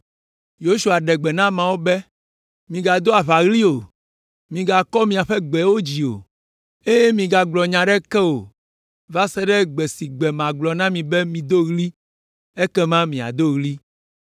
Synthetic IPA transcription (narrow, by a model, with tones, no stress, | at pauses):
jo˦ʃu˨a˨ɖɛ˨ɡ͡bɛ˨nã˦mã˨wo˦bɛ˦ | mĩ˨ɡa˨d̪o˦a˨βa˨ɣli˦o˨ | mĩ˨ɡa˨kɔ˦mĩ˨a˨ɸɛ˦ɡ͡bɛ˨wo˦d͡ʑi˨o̰˨ | e˦je˦mĩ˨ɡa˨ɡ͡blɔ˨ɲã˨ɖɛ˦kɛ˦wo˨ | va˦sɛ˦ɖɛ˦ɡ͡bɛ˨si˨ɡ͡bɛ˨mã˨ɡ͡blɔ˨nã˦mĩ˨bɛ˦mĩ˨d̪o˦ɣli˦ | e˦kɛ˦mã˦mĩ˨a̰˨d̪o˦ɣli˦